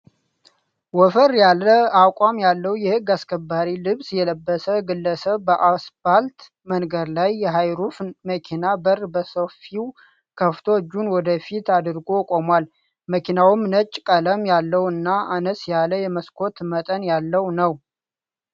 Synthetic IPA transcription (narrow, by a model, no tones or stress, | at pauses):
wɔfəɾjalːəakʷʼamjalːəwjɛhɨɡːaskʰəbːaɾilɨβsjɛləbːəsəɡɨlːəsəβːəʔasfalt̪ | mənɡəd̪lajːɛɦajɾufməkʰinabərbəsəfiw | kʰəft̪ʰo̞d͡ʒːunwɔd̪əfit̪ad̪ɨɾɡo̞kʼomwal | məkʰinawɨmnət͡ʃʼːkʼələmjalːəwɨnːaʔanəsjaləjɛməskʰo̞t̪mət̪ʼənjalːəwnəw